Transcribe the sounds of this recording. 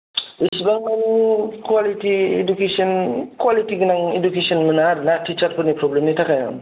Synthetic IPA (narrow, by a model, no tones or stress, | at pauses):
isbaŋmanikwalitiḛdukesɔnkwalitiɡɯnaŋedukesɔnmɯnaɾnatʰːit͡ʃaɾpʰɯnipʰɾɔblemnijtʰakajnɔ̰ŋ